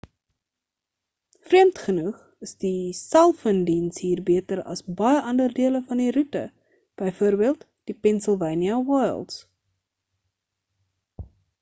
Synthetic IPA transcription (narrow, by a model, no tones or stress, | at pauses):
friəmtχənuχ | əsdisælˠfəndinsɦiːrbiətəɾɐ̰sbɐjəʔɐndərdiələfɐndiɾutə̰ | b̥əjfuərbiəlˠt | d̥ipɛnsəlˠvəjniɐwɑjə̰lˠts